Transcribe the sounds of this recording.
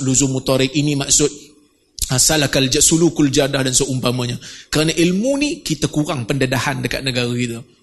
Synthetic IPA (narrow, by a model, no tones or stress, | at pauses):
luzʊmut̪ɔɾɪk̚inimaksʊt̪̚ | salahkald͡ʒasulukʊld͡ʒadahdansoʔumpaməɲəkəɾanaʔilmunikit̪akuɾaŋpəndədahandəka̰t̪̚nəɡaɾəkit̪ə